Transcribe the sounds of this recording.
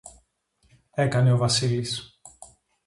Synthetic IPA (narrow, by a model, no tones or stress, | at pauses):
e̞kɐne̞ovɐsilis